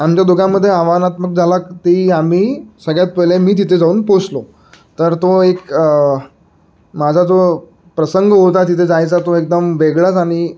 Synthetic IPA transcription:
amt͡ɕjad̪oɡãməd̪ʱːjeaʋanat̪mək̚d͡zʱalakt̪iam̤iːsəɡɭjat̪pəlemiːt̪̬it̪ʰed͡zauːnposlo | t̪əɾt̪oek | mad͡zʱad͡zo | pɾəsəŋɡɦot̪̬at̪it̪ʰed͡zajt͡sat̪oek̚d̪əmʋeɡɭət͡saɽ̃i

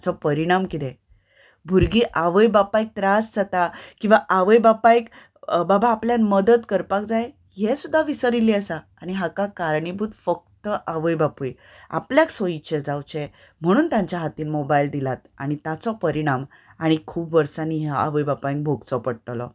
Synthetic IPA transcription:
t͡sɔpəɾiɽ̃amkit̪ɛ | bʱuɾɡiːʔaʋəjbapaik̚t̪ɾasd͡zat̪akĩʋaʔaʋəjbapajk | babaːpljanməd̪əd̪kəɾpak̚d͡zaj | ɦesud̪ʱːaʋisəɾiliəsaːɽ̃iɦakakaɾɳibʱut̪fək̚t̪əʔaʋəjbapuj | a̰pljaksoit͡ɕed͡zawt͡ɕe | m̤əɽ̃uːnt̪jãɲt͡ɕjaɦat̪iːnmobaild̪ilat̪a̰ɽ̃it̪at͡sɔpəɾiɽ̃am | aɽ̃ikʰuːbʋəɾsaniːɦaa̰ʋəjbapaj̃ŋk̚bʱoɡt͡sɔpəɽʈlɔ̰

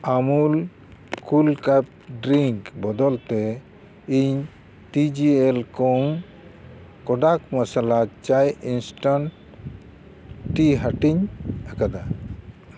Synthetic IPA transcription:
amul | kulkap̚ | ɖɾiŋkbɔd̪ɔlt̪ɛ | iɲ | tid͡ʒielkɔŋ | kɔɖakmasalat͡ʃajinsʈan | ʈiɦaʈiɲakad̪a

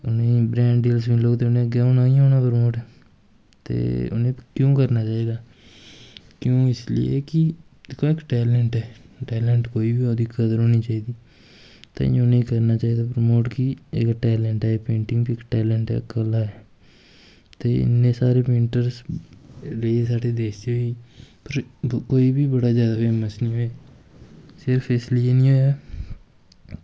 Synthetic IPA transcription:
ʊnẽːbɾɛ̃ːɳɖɖiːlsbiːloːt̪eːʊnẽəɡɛːoːnaːĩɦoːnaːpɾmoːʈɛː | t̪ḛːʊ̰nẽːkjõːkəɾnaːt͡ʃaːiːd̪aː | kjõːɪslɪ̰ḛːkɪ | d̪ekʰːõːɪkʈɛːlɛɳʈɛːʈɛːlɛ̃ːɳʈkoːiːbioːd̪iːkəd̪əɾɦoːniːt͡ʃaːiːd̪iː | t̪ḛ̃nẽĩkəɾnaːt͡ʃaːiːd̪aːpɾəmoːʈkiɪkʈɛːlɛːɳʈɛːpẽːɳʈɪ̃ŋɡbiɪkʈɛːlɛɳʈɛ̰ːkəlaːɛː | t̪eːɪ̰nːẽːsaːɾeːpẽːɳʈəɾs | ɾeːsaːɖeːd̪eːsd̪oiːpəɾkoːiːbiːbəɽaːzjaːd̪aːfeːməsnĩːɦoːeː | sɪɾpʰɪslɪeːnĩːɦoːjaː

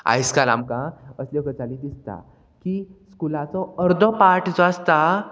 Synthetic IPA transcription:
a̰jskala̰mkãəsljəkət͡salid̪ist̪a̰ | kiːskulat͡sɔəɾd̪ʱəpaʈʰd͡zʋast̪a

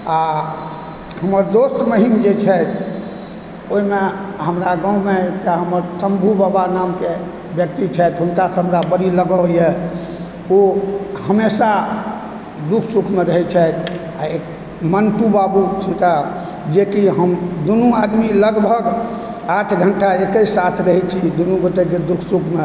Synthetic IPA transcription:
a | həməɾd̪osʈ̪məɦimd͡ʒet͡ʃʰɛt̪ʰ | oimeɦəmɾaɡãũmeekʈaɦəməɾsəmbʱubabanamke | bjək̚t̪it͡ʃʰɛt̪ɦunkasɦəmɾabəɾiləɡəjɛ | ohəmesa | d̪ukʰsukʰmeɾəɦɛt͡ʃʰɛt̪ʰ | ae | mənʈubabut͡ʃʰit̪a | d͡ʒekiɦəmd̪unuad̪miləɡbʱəɡ | aʈʰɡʱəɳʈaekəisat̪ʰɾəɦɛt͡ʃʰid̪unuɡot̪eked̪ukʰsukʰme

